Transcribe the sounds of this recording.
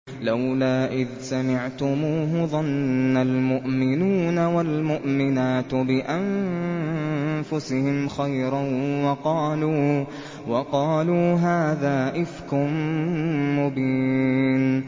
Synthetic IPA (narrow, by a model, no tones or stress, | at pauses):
lawlaːʔɪðsamɪʕt̪ʊmuːɦʊðˤɑnːalmʊʔmɪnuːnawalmʊʔmɪnaːt̪bɪʔan | fʊsɪhɪmxajɾɑwɑqɑːluː | wɑqɑːluːɦaːðaːʔɪfkʊmː | ʊbiːn